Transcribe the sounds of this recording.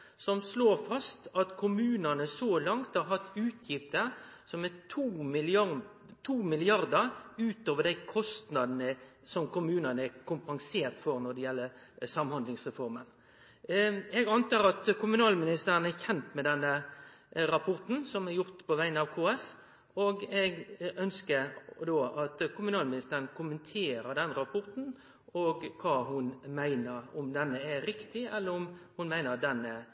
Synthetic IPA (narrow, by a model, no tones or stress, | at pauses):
sɔmsloːɾfɑst̪ɑt̪kʰʊmʉːnənəsɔːlɑŋt̪hɑɾɦɑt̪ːʉːt̪ʰjɪft̪əɾsɔmɛt̪ʰuːmɪl | t̪ʰuːmɪlɪɑɾd̪əɾʉːt̪oːʋəɖ̪æɪkʰɔst̪nɑd̪nə | sɔmkʊmʉːnənəækʰʊmpɑŋseːɾt̪fɔɾnɔd̪ɛjɛlːəɾ | sɑmhɑnd̪lɪŋsʁɛfɔɾmən | ɛɡɑnt̪ɑːɾɑt̪kʰʊmʉnɑːlmɪnɪst̪əɾənɛçɛnt̪mɛd̪ɛnːə | ɾɑpʰɔɾt̪n̩sɔmɛɾjʊɾt̪pʰɔʋæɪənɑʋkʰoːɛs | oːɡɛɡœnskəɾd̪oːʔɑt̪kʊmʉnɑːlmɪnɪst̪əɾənkʰʊmənt̪ʰeːɾəd̪ɛnɾɑpʰɔɾt̪n̩ | oɡkʰɑːɦʊnmæɪnəɾɔmd̪ɛnːəɛɾɪkt̪ɪɛlːəɾɔmhʊnmæɪnəɑt̪̚d̪ɛnːɛ